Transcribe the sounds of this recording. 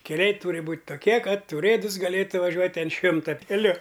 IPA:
kʲɛˈlʲɛɪ ˈtuːrʲɪ ˈbuːtʲ toːˈkʲiɛ ˈkɐt ʊˈrʲeːdʊs ɡɐˈlʲeːtʊ ʋɐˈʒʲuɔtʲ ɐn ˈʃʲɪmtɐ kʲɛˈlʲʊ

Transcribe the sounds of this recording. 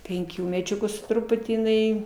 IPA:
ˈpʲɛŋʲkʲuː mʲɛˈt͡ʃʲʊkuː sʊ ˈtrʊpʊtʲiː jɪˈnɐɪ

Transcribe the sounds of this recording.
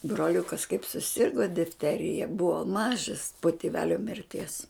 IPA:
broːˈlʲʊkɐs kɐɪp sʊˈsʲɪrɡoː dʲɪfʲˈtʲæːrʲɪjɛ ˈbʊʋoː ˈmɑːʒɐs poː tʲɪˈʋʲæːlʲoː mʲɪrʲˈtʲiɛs

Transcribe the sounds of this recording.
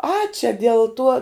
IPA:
ɐ t͡ʃʲɛ dʲɛlˠ ˈtuɔ

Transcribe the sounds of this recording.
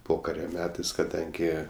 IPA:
ˈpoːkɐrʲoː ˈmʲæːtɐɪs kɐˈdɐŋʲɡʲɪ

